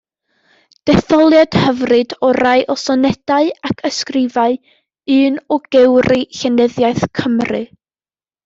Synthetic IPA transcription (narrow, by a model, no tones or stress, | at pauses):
d̥ɛθɔlˠjad̥həvrɨdɔɾaɨʔɔsɔnɛd̥aɨakʰəskrɪvaɨ | ɨːnɔɡ̥ɛwrɨɬɛnəðjaɨθkʰəmrɨ